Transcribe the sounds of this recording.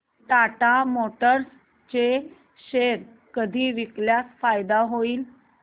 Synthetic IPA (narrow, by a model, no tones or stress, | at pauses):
ʈ̪aʈamoʈəɾs | t͡ɕe | ɕeɾ | kəd̪ʱiːʋikljasfajd̪aɦoiːl